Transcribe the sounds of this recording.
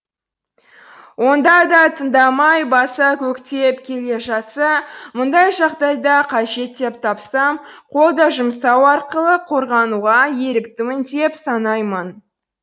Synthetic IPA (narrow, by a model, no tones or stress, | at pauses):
wo̞nd̪ɑd̪ɑt̪ʰənd̪ɑmɑjbɑsɑkʲʰɵkt̪e̞pkʲʰe̞le̞ʒɑt̪sɑmʊnd̪ɑjʒɑʁd̪ɑjd̪ɑqʰɑʒe̞t̪ːe̞p̚t̪ʰɑpsɑmqʰo̞lˠd̪ɑʒʊmsɑwɑɾqəlˠəqʰo̞ɾʁɑnuʁɑje̞ɾɪkt̪ɪmɪnd̪e̞psɑnɑjmən